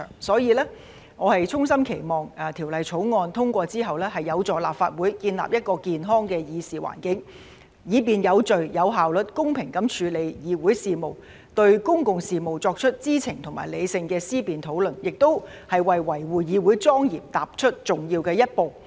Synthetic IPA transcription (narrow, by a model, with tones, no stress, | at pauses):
ŋsɔː˨˥jiː˧lɛː˥ | ŋɔː˨˧hɐ˨jt͡sʰʊ˥ŋsɐ˥mkʰe˨˩jmɔː˨˩ŋɐː˨˩t̪ʰi˨˩wlɐ˨jt͡sʰo˨˥wŋɔː˧nt̪ʰʊ˥ŋkʷɔː˧t͡siː˥ɦɐ˨wlɛː˥hɐ˨jːɐ˨˧wt͡sɔː˨˩la̰ː˨˩p̚faː˧t̚wuː˨˥jkiː˧nla̰ː˨p̚jɐ˥t̚kɔː˧kiː˨nɦɔː˥ŋkɛː˧jiː˨˧siː˨wa̰ː˨˩nkɪ˨˥ŋ | jiː˨˧p̬iː˨˩njɐ˨˧wt͡sɵ˨ɥjɐ˨˧wɦaː˨˩wlɵ˨˩t̚kʊ˥ŋpʰɪ˨˩ŋkɐ˨˥mt͡ʃʰyː˨˧le˨˧jjiː˨˧wuː˨˥jsiː˨mo˨˩w | t̪ɵ˧ɥkʊ˥ŋkʊ˨ŋsiː˨mo˨wt͡sɔː˧k̚t͡ʃʰɵ˥t̚t͡siː˥t͡sʰɪ˨˩ŋt̪ʰʊ˨˩ŋmaː˨˩jle˨˧jsɪ˧ŋkɛː˧siː˥piː˨nt̪ʰo˨˥wlɵ˨˩njɪ˨k̚t̪o˥whɐ˨˩jwɐ˨jwɐ˨˩jwuː˨˩jiː˨˧wu˨˥jt͡sɔː˥ŋjiː˨˩mt̪aː˨p̚t͡ʃʰɵ˥t̚t͡sʊ˨˩ŋjiː˧wkɛː˧jɐ˥t̚po˨w